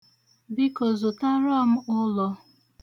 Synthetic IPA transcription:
bi˦kɔ˨zʊ˨ta˦ɾɔ˦m̩˦ʊ˦lɔ˦

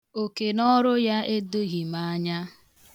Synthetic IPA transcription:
o˨ke˨nɔ˦ɾʊ˦ja˦e˦do˦ɣi˨ma˦ɲa˦

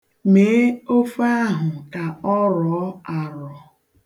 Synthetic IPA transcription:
meː˨˦o˦fa˦ɦʊ˨ka˨ɔ˦ɾɔ˨˦a˨ɾɔ˨

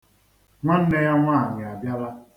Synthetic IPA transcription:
ŋʷa˦n̩˦ne˦ɣa˦ŋʷa˦˨ɲɪ˨a˨bja˦la˦

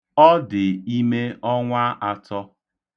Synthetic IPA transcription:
ɔ˦dɪ˨i˦me˦ɔ˦ŋʷa˦ʔa˨tɔ˦

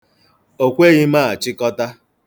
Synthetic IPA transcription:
o˨kʷe˦ɣi˦ma˦˨a˨t͡ʃɪ˦kɔ˦ta˦

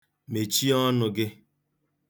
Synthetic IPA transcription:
me˨t͡ʃi˦ɔ˦nʊ˨ɡɪ˦

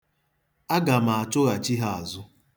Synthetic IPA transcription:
a˦ɡa˨ma˨a˨t͡ʃʊ˦ɣa˨t͡ʃi˦ɦa˨a˨zʊ˦

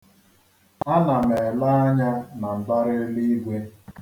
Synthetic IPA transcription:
a˦na˨me˨la˦a˦ɲa˦na˨m̩˨ba˦ɾɪ˦li˦i˦ɡʷe˦

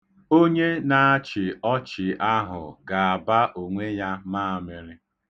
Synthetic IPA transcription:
o˦ɲe˦na˨a˦t͡ʃɪ˨ɔ˦t͡ʃɪ˨a˦ɦʊ̰˨ɡa˨a˨ba˦ʔo˨ŋʷe˦ja˦maː˦a˨mɪ˨ɾɪ˦

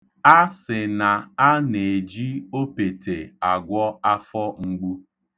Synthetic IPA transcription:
a˦sɪ˨na˨a˦ne˨d͡ʒi˦o˦pe˨te˨a˨ɡʷɔ˦a˦fɔ˦ŋ͡m̩˦ɡ͡bu˦

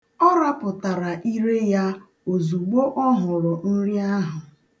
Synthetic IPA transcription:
ɔ˦ɾa˦pʊ˨ta˨ɾa˨ʔi˦ɾe˦ja˦ | o˨zu˨ɡ͡bo˦ʔɔ˦ɦʊ˨ɾʊ˨n̩˦ɾi˦a˦ɦʊ˨

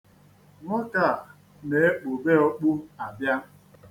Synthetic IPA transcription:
ŋɔ˦ka˦˨ | ne˨e˦k͡po˨be˦ɔ˦k͡pu˦a˨bja˦

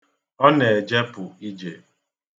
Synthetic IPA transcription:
ɔ˦ne˨d͡ʒe˦pʊ˨i˦d͡ʒḛ˨

